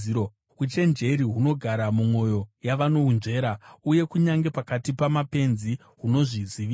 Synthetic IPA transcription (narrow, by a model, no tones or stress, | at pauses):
ut͡ʃe̞nd͡ʒe̞ɾiɦuno̞ɡʱaɾamumwo̞jo̞jaʋano̞unʐe̞ːɾauje̞kuɲaŋɡe̞pakatipamape̞nzi | ɦuno̞ʐiziʋi